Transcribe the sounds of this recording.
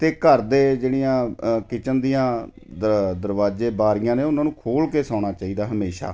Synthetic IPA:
t̪eːkəɾd̪eːd͡ʒeːɽijãːkɪt͡ʃənd̪ijãː | d̪əd̪əɾʋaːd͡ʒeːbaːɾijãːneːʊnãːnũːkʰoːlkeːsãːɽ̃aːt͡ʃaːiːd̪aːɦəmeːʃa̰ː

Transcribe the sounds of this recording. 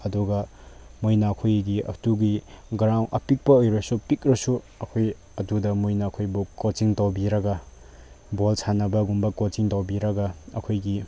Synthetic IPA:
ɐduɡɐmojnaːkʰojɡiɐ̰tuɡiɡɐɾawʔɐpik̚pɐojɾojsupik̚ɾɐsu | ɐkʰoj | ɐdudɐmujnɐːkʰojbukot͡ʃiŋtawbiɾɐɡɐ | bolsʰanɐbɐɡumbɐkot͡ʃiŋtawbiɾɐɡɐɐ̰kʰojɡi

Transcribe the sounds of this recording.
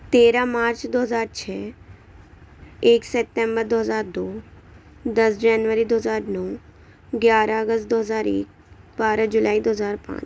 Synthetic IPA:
t̪eːɾamaːɾt͡ʃd̪oːɦəzaːɾt͡ʃʰɛː | eːksɛp̚ʈẽmbəɾd̪oːɦəzaːɾd̪oː | d̪əsd͡ʒɛːnʋəɾid̪oːɦəzaːɾnɔː | ɡjaːɾaəɡəs̚d̪oːɦəzaːɾḛːk̚ | baːɾad͡ʒʊlaːid̪oːɦəzaːɾpã̰ːt͡ʃ

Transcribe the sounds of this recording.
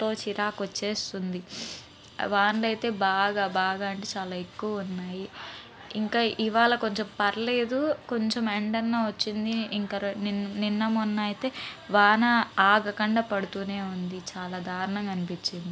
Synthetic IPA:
t̪o̞ːt͡ʃiɾaːkot͡ʃːe̞ːst̪und̪i | ʋaːɳlɐjt̪e̞ːbaːɡaːbaːɡaːɐɳʈeːt͡ʃaːlaːekːuʋɐunːaːji | iŋkaːʔiʋaːɭɐko̞ɲt͡ʃempɐɾɐle̞ːd̪uko̞ɲt͡ʃemeɳɖɐnːoːʋɐt͡ʃːind̪iŋkɐɾnininːɐmunːaːjit̪e̞ːʋaːnɐaːɡɐkɐɳɖɐpɐɽut̪uːne̞ːund̪it͡ʃaːlaːd̪ʱaːɾɐɳɐŋɡɐnipit͡ʃːind̪i

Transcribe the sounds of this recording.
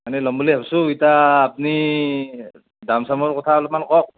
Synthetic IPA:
manɛlɔmbuliapsuitaːpni | damsamɔɹkɔtʰaɔlɔp̚mankɔk̚

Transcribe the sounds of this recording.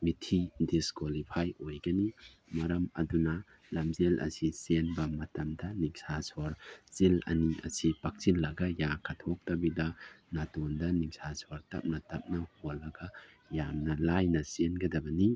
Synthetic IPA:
mitʰidiskwolipʰajojɡɐni | mɐɾɐmɐdunɐ | lɐmzelʔɐ̰sisenbɐmɐtɐmdɐniŋsasoɾsilɐ̰niʔɐ̰sipak̚t͡ʃilːɐɡɐjakʰɐtʰok̚tɐbidɐnɐtondɐniŋsʰasoɾtɐ̰p̚nɐtɐp̚nɐholːɐɡɐ | jamnɐlajnɐsenɡɐdɐbɐni

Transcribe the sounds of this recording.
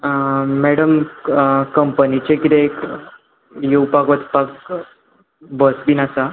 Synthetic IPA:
mɛɽəm | kəmpənit͡ɕekit̪eːk | jewpakʋət͡spak | bəsbinasa

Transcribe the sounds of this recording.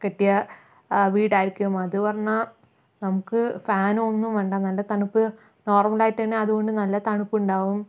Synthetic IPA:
keʈːijɐ | ʋiːɽaːjiɾikʲːuɣɐmːɐðɨpɐrɐɲːa | nɐmukːɨfaːno̞nːumʋeɳɖanɐlːɐt̪ɐɳupːɨ | no̞ːrmɐlaːjitːɐnːeɐðuɣo̞ɳɖɨnɐlːɐt̪ɐɳupːuɳɖaːʋum

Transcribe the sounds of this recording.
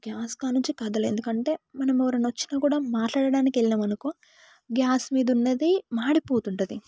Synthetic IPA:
ɡjaːskaːnuɲt͡ʃikɐd̪ɐlḛnd̪ukɐɳʈe̞ːmɐnɐmɛʋɐɾɐnʋɐt͡ʃːi̥naːkuːɽaːmaːʈlaːɽɐɽaːnikielinɐmɐnɐku | ɡjaːsmiːd̪ɐunːɐd̪imaːɽipo̞ːt̪uɳʈud̪i

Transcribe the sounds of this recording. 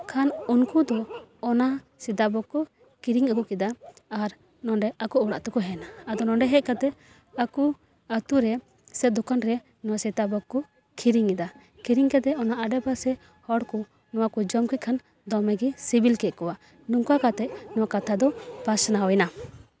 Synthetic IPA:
kʰanunkud̪ɔːna | sɛd̪abɔkːɔ | kiɾiŋakukɛd̪aːɾ | nɔɳɖɛakuɔɽaʔt̪ɔkɔɦɛnaːd̪ɔnɔɳɖɛɦɛc̚kat̪ɛ | aku | at̪uɾɛ | sɛt̪̚d̪ɔkanɾɛ | nɔwasid̪abɔkːɔ | kʰiɾiŋɛd̪a | kiɾiŋkɛt̪ɛɔnaaɖɛbasɛ | hɔɽkɔ | nɔwakɔd͡ʒɔmkɛt̪̚kʰan | d̪ɔmɛɡisibilkɛt̪̚kɔwa | ɖuŋkakat̪ɛʔnɔwakat̪ʰad̪ɔpasnaɔjna

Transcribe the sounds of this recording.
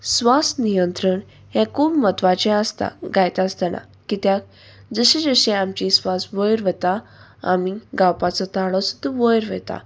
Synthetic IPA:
sʋast̪nijənt̪ɾəɳ | ɦɛ̃kubmət̪ʋat͡ɕɛ̃ast̪a̰ɡajt̪ast̪əna̰ | kit̪jak̚ | d͡zəɕẽd͡zəɕẽamt͡ɕĩsʋasʋəjɾʋɛt̪a | a̰miɡawpat͡sɔt̪aɭɔsə̥t̪əʋəjɾʋɛ̰t̪a̰

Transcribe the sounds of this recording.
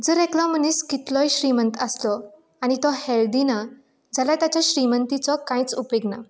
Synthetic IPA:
d͡zəɾɛklaməniskit̪lɔjɕɾimənt̪əslɔ | añit̪ɔheld̪ina | d͡zʱalat̪jat͡ɕjaɕɾimənt̪it͡sɔkãit͡supeɡna̰

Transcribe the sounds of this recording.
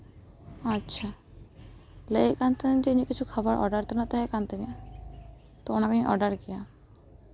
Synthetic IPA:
ɔtːʃʰa | lejkant̪end͡ʑenikit͡ɕʰukʰɔboɾʔɔ̰ɖaɾt̪ɔnat̪aɦekant̪eni | t̪oonakeniʔɔɖaɾkija

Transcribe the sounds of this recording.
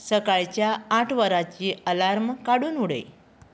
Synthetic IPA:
səkaɭt͡ɕjaːʈʰʋəɾat͡ɕiːəlaɾmkaɽuːnuɽə̰j

